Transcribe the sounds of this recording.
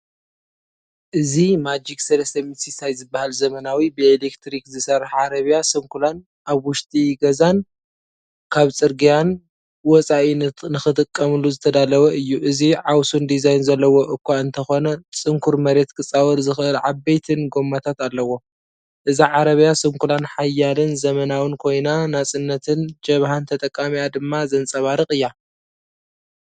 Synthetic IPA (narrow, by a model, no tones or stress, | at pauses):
ʔɨzimad͡ʒiksɐlɐst̪ʰɐmit̪sisajzɨbːahalzɐmɐnawibɨelekt̪ɾikzɨsɐrɐħʕaɾɐβijasɐŋkʰulan | ʔaβwʊʃt̪ʼiɡɐzan | kʰaβt͡sʼɨɾɡijan | wɔt͡sʼaʔinɨnɨxɨt̪ʼɨkʼːɐmɨluzɨt̪ʰɐd̪alɐwɐʔɨjːuʔɨziʕawsund̪izajnzɐlːɐwo̞ʔɨkʰʷːaɨnt̪ʰɐxo̞nɐt͡sʼɨŋkʰuɾmɐɾe̞t̪kʰɨt͡sʼawɐɾzɨxʔɨlʕaβejt̪ʰɨnɡo̞mːat̪ʰat̪alːɐwo̞ | ʔɨziʕaɾɐβjasʼɨmkʰulanħajalɨnzɐmɐnawɨnkʰo̞jnanat͡sʼɨnːɐt̪ʰɨnd͡ʒɐβhant̪ʰɐt̪ʼɐkʼːamijad̪ɨmːazɐnt͡sʼɐβaɾɨxʼɨjːa